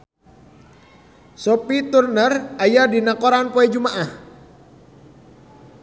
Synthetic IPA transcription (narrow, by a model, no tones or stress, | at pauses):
sɔpit̪urnərajadinakoɾanpoed͡ʒumaʔah